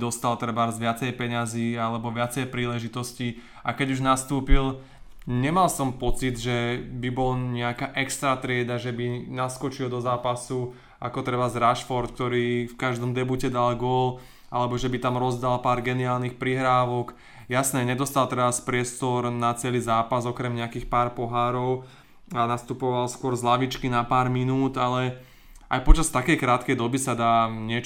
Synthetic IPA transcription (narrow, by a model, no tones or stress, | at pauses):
d̪ɔst̪alt̪rɾɛbaɾzʋɪat͡sɛjpɛɲaziːalɛbɔʋɪat͡sɛjpɾiːlɛʒit̪ɔsci | ʔakɛɟuʒnast̪uːpil | ɲɛmalsɔmpɔt͡sid̪ʒɛbibɔlɲɛakaːʔɛkst̪ɾat̪ɾɪɛd̪aʒɛbinaskɔt͡ʃild̪ɔzaːpasu | akɔt̪ɾɛbazɾaʃfɔɾt̪k̚t̪ɔɾiːfkaʒd̪ɔmd̪ɛbucɛd̪alɡʊɔl | a̰lɛbɔʒɛbit̪amɾɔzd̪alpaːɾɡɛniaːlnixpɾiɦɾaːʋɔk | jasnɛɲɛd̪ɔst̪alˠt̪ɾɛaspɾɪɛst̪ɔɾnat͡sɛliːzaːpazɔkɾɛmɲɛakiːxpaːɾpɔɦaːɾɔʊ | anast̪upɔʋalskʊɔɾzlaʋit͡ʃkinapaːɾminuːd̪alɛ | a̰jpɔt͡ʃast̪akɛjkɾaːt̪kɛjd̪ɔbisad̪aːɲɪɛt͡ʃ